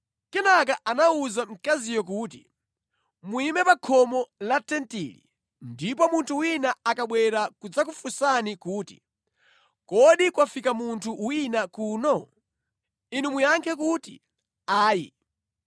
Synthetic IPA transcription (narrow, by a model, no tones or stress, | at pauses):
kɛnakaʔanauzam̩kazijɔk̬uːtḭ | muimɛpakʰɔmɔlatɛntḭlḭ | ndip̬ɔmuntʰuwinaakaɓwɛɾakud͡zak̬ufusanikuːti̥̰ | kɔɗikwafikamuntʰuwinakuːnɔ | inumujaŋkʰɛk̬uːtḭ | aːjḭ